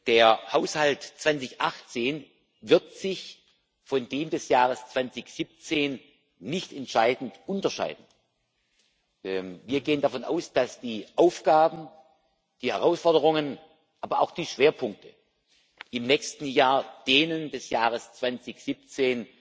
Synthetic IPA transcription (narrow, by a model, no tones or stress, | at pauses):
d̥eːɐhaʊshaltt͡sv̥ant͡sɪçʔaχt͡seːn | vɪɐtz̥ɪç | fɔndeːmdɛsjaːʁəst͡sv̥ant͡sɪçz̥ip̚t͡seːnː | ɪçtɛntʃaɪdn̩tʔʊntɐʃa̰ɪdn̩ | viːɐɡeːəndafɔnʔa̰ʊsd̥asd̥iːʔaʊfɡ̥aːbm̩ | d̥iːhɛʁaʊsfɔɐdəʁʊŋən | ʔaːbɐaʊxd̥iːʃv̥eːɐpʰʊŋk̚tʰə | ʔɪmnɛçstn̩jaːɐd̥eːnəndɛsjaːʁ̞əst͡sv̥ant͡sɪçz̥ip̚t͡seːn